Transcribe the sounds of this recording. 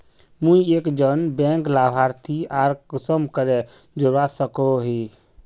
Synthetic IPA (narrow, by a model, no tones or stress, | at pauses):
mũiekd͡ʒənbɛ̃ŋklabʱaɾt̪ʰiaɾkəsəmkəɾe | d͡ʒoɾasəkoɦi